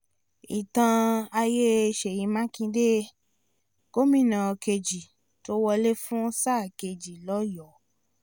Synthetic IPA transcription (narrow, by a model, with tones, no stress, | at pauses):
i˨tã˧a˧je˦˧ʃe˨jĩ˨˧˦mã˦kĩ˧de˦ | ko˦mĩ˦˨nã˨˧ke˧d͡ʒi˨ | to˦wɔ˧le˦fũ˦sa˦˨ke˧d͡ʒi˨lɔ˦jɔ˨˦